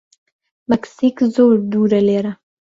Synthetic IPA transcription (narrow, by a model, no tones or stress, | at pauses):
maksikzoɾd̪uɾaleːɾa